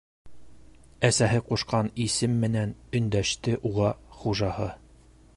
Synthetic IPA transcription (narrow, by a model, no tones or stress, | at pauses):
æsæɦɘquʃqɑnisɘmːɘ̆nænɵ̆nd̪æʃt̪ɘʔuʁɑχuʒɑhɤ